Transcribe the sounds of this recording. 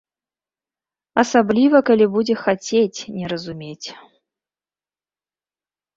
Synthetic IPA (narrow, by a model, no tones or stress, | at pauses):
ɐsablʲivɐkalʲibud͡zʲɛxat͡sʲet͡sʲnʲɛɾɐzumʲet͡sʲ